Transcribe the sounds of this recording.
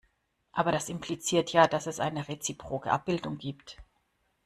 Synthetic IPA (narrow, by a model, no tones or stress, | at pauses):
ʔaːbɐɾasɪmplit͡siːɐtʰjaːdasɛsʔa̰ɪnəʁet͡sipʁ̥oːɡəʔa̰p̚b̥ɪldʊŋɡiːpt